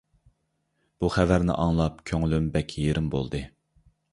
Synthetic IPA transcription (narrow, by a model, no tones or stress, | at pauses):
b̥uχævæɾnɪ̰ʔɑŋlˠɑp̚kʲʰøŋlymbɛkʲʰjeɾɪmbo̰lˠd̪ɨ